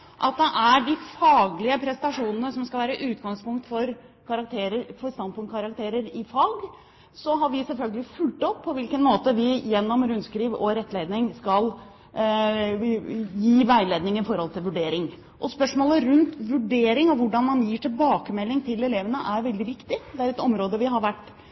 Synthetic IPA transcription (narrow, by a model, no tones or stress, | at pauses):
ʔɑ̰t̪̚d̪ɛʔæɖɪfɑːɡlɪəpʰɾɛst̪ɑʂuːnənəsɔmskɑlʋæːɾəʔʉːt̪̚ɡɑŋspʊŋk̚t̪fɔɾ | kʰɑɾɑk̚t̪ʰeːɾəɾfɔɾst̪ɑnpʊŋkʰɑɾɑk̚t̪ʰeːɾəɾɪfɑːɡ | sɔɦɑɾʋɪsɛlfœlɡəlɪfʉlt̪ɔpʰːɔʋɪlkənmoːt̪əʋɪjɛnːɔmɾʉnskɾiːʋɔɾɛt̪ːleɪd̪nɪŋskɑl | jiːʋæɪleːd̪nɪŋɪfɔɾhɔlt̪ʰɪlʋʉɖeːɾɪŋ | ʔɔspœʂmoːləɾʉnt̪ʋʉɖeːɾɪŋɔʋʊɖɑnmɑnjiːʈʰɪlbɑːkəmɛlːɪŋt̪ʰɪlɛleːʋənəʔæɾʋɛld̪ɪʋɪkt̪ɪd̪ɛæɾɛt̪ɔmɾoːd̪əʋɪɦɑɾʋæʈː